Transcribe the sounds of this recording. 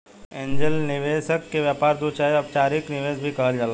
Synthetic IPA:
ẽːɲd͡ʒəlnɪʋeːsəkːeʋjaːpaːɾd̪ut͡ʃaːɐb̚t͡ʃaːɾɪknɪʋeːsbʱikɐɦəld͡ʒaːlaː

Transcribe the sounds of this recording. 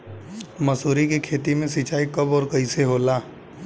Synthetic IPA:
mɐsuːɾikekʰeːt̪imẽsit͡ʃaːikɐbɔːɾkɐiseɦoːlaː

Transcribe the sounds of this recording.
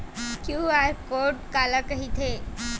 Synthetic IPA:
kjuaɾkoʈkaləkəɦit̪ʰe

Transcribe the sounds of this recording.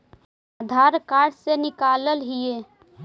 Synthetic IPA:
ad̪ʱaɾkaɾsenɪkaləlɦie

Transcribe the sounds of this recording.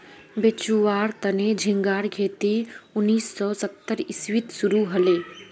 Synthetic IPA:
bet͡ʃuʋaːɾt̪əned͡ʒʱɪ̃ŋɡaːɾɡʱeːt̪iʊnːiːsːɔːsət̪ːəɾɪswit̪suɾuɦɐleː

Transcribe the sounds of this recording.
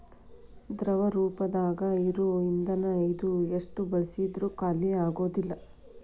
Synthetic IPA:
d̪ɾɐʋɐɾuːpɐd̪aːɡɐiɾuind̪ɐnɐjd̪ueʂʈubɐɭisid̪ɾukaːlːiaːɡo̞ːd̪ilːɐ

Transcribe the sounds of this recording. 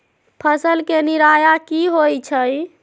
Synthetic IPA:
pʰəsəlkeniɾajakiɦojt͡ʃʰəj

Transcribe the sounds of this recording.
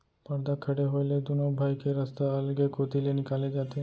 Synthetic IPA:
pəɾd̪akʰəɽeɦojled̪unobʱajkeɾəst̪aəlɡekot̪ilenikaled͡ʒat̪e

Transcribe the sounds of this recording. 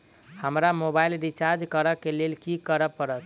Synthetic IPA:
həmɾamobailɖit͡ʃaɾd͡ʒkəɾəkːelelkikəɾəpəɾət̪

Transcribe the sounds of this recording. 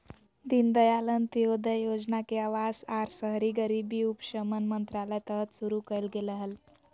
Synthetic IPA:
d̪ind̪əjalənt̪iod̪əjod͡znakeaʋasaɾsəɦɾiɡəɾibiupɕəmənmənt̪ɾaləjt̪ət̪suɾukəjlɡeləɦəl

